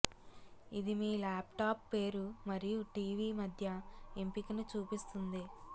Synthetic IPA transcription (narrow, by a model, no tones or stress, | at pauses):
id̪imiːlaːpʈaːpːe̞ːɾumɐɾijuʈiːʋiːmɐd̪ʱjɐimpikɐnut͡ʃuːpist̪und̪i